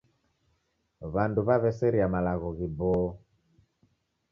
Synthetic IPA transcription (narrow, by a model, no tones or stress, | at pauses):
βanduβaβɛsɛɾiamalaɣɔɣibɔ